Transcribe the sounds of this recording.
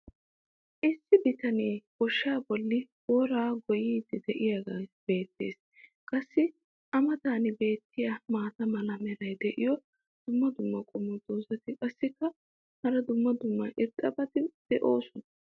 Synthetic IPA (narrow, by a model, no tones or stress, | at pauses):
ʔɪsːɪbɪt̪ɐneːb̥ɔʃːaːbɔlːɪboːɾaːɡɔjiːd̪ɪd̪ɛʔɪjaɡasbe̞ːt̪ːe̞̰ːs | kʼɐsːɪ | ʔɐmɐt̪aːnɪbe̞ːt̪ːɪjamaːt̪ɐmɐlɐmɛɾɐjd̪ɛʔɪjɔ | d̪̥ʊmːɐd̪ʊmːɐkʼɔmɔd̪oːzɐt̪ɪkʼɐsːɪkːɐ | hɐɾɐd̪ʊmːɐd̪ʊmːɐʔɪɾtʼɐbɐt̪ɪd̪̥ɛʔo̞ːsʊnɐ